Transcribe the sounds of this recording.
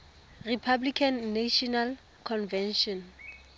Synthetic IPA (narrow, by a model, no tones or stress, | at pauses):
ripʰablikʰanːaʃɔnal | kʰɔnvɛnʃɔn